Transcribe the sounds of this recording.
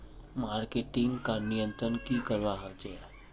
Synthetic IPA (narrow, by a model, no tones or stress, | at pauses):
maɾkeʈɪŋɡkanijə̃nt̪ɾənkikəɾʋaɦəd͡ʒɛa